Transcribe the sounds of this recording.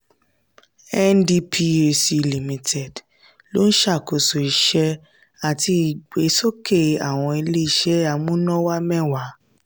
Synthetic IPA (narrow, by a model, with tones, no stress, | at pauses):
ɛ˦ndi˧pʰi˧e˧si˧li˨mĩ˧tʰɛ˨d | lo˦n̩˦ʃa˦˨ko˨so˨i˧˦ʃɛ˧˦ | a˨ti˧˨ɡ͡be˨˦so˦ke˦˨a˨w̃ɔ̃˧e˧le˦i˦ʃɛ˦a˧mũ˦nɔ̃˦wa˦mɛ̃˦˨wa˨˦